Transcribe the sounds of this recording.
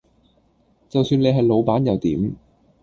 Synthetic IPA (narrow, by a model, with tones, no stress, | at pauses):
t͡sɐ˨wsyː˧nle˨˧jɦɐ˨jlo˨˧wpaː˨˥njɐ˨˧wt̪ḭː˨˥m